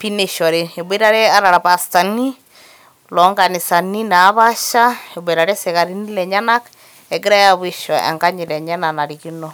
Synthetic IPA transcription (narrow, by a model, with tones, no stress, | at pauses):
pi˦ne˨ʃɔ˨ɾi˨e˨be˦ɾa˦ɾɛ˦a˦ɾa˨ɾa˨pa˨sta˨ni˦ | lɔ˨˦ŋɡa˨ni˨sa˨ni˦na˨˦βa˦ʃa˦e˨be˨ɾa˨ɾɛ˦se˨ka˨ɾi˦ni˦lɛ˨ɲa˦na˦k | ɛ˨ɡɪ˦ɾa˦ja˦βi˦ʃɔ˨ɛ̰˨ŋɡa˦ɲi˨lɛ˨ɲɛ˦na˨na˨ɾi˨ki˦nɔ˦˨